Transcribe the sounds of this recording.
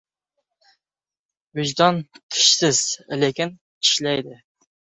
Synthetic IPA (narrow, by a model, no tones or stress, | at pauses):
yʒd̪ɑnt̪ʰɪ̥ʃsɪz̥lekʲin | i̥ʃlɛjd̪ɪ